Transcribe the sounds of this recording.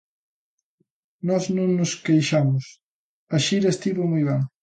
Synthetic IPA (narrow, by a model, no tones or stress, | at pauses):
nɔznõŋnʊskejʃamʊs | aʃiɾɐest̪iβomojβaŋ